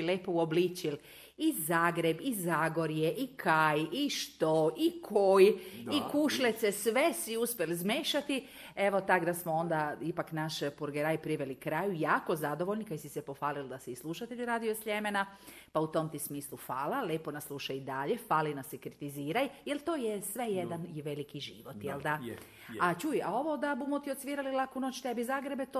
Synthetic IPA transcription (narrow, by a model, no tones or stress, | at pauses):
leːpouobliːt͡ɕil | izaːɡɾe̞bizaːɡo̞ɾjeʔikʰajiʃt̪oikʰojikuʃlet̪sesʋesiuspʲjelzmeːʃat̪i | e̞ʋo̞t̪akd̪asmoond̪aipaknaʃpuɾɡeɾajpɾiʋelikɾaːjujaːko̞zad̪o̞ʋoʎnikajsisepo̞faːlild̪asiːslˠuʃat̪eʎiɾaːd̪ijosʎemena | paut̪o̞mt̪ismiːslˠufaːlaleːponaslˠuʃajid̪aʎefaːlinasekɾit̪iziːɾajjelˠt̪oːjesʋejed̪anjʋelikiʒḭʋot̪jeld̪a | at͡ɕujao̞ʋo̞d̪abumot̪iot̪sʋiːɾalilakunoːt͡ɕt̪ebizaːɡɾebet̪o